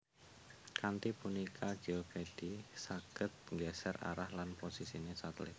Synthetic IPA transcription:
kant̪ipunikʰḁd͡ʒ̥ioped̥isaɡ̥ət̪̚ŋɡɛsɛra̰ɾahlanposisinesat̪lɪ

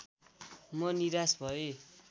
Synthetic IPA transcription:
mʌniɾasbʱʌe

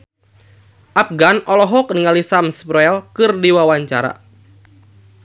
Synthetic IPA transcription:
ʔap̚ɡanɔlɔɦɔkəniŋalisamspɾɔɛlkɨrdiwawaɲt͡ʃa̰ɾa̰

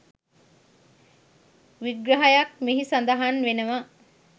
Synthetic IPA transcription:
ʋiɡɾəɦajak̚miɦisand̪əɦanʋenəʋa

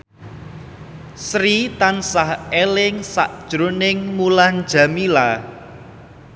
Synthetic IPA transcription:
sɾit̪ansahelɪŋsa̰ʔd̥ʒ̥ɾonɪŋmuland̥ʒ̥ä̤mila

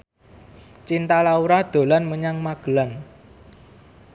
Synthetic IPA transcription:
t͡ʃint̪alauɾad̪̥o̤lanməɲaŋmaɡ̥əlan

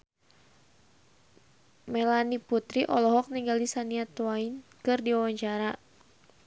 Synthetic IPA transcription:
mɛlaniput̪ɾiʔɔlɔɦɔk̚niŋɡalisaniat̪wainkɨrdiwawaɲt͡ʃaɾa

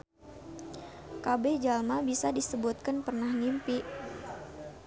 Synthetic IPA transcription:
kabɛd͡ʒalmabisadisəbut̪̚kanpərnahŋimpiʔ

